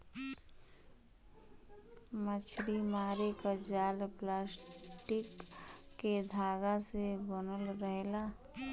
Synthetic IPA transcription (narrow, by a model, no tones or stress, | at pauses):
mət͡ʃʰɾimaːɾekad͡ʒaːlplaːsʈɪkː | ed̪ʱaːɡasebənəlɾəɦela